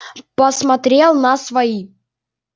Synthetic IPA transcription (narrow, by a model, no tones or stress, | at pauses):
pəsmɐt̪ɾʲelˠnasvɐi